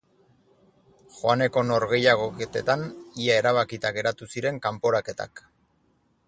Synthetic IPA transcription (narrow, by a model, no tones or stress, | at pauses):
xoane̞ko̞no̞ɾɣe̞jaɣ̞o̞ket̪et̪aniae̞ɾaβ̞akit̪aɣe̞ɾat̪usiɾe̞ŋkampo̞ɾake̞t̪a̰k